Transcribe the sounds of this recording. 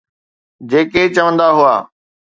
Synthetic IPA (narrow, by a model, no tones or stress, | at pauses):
d͡ʑeːket͡ɕɐʋə̃nd̪aɦʊaː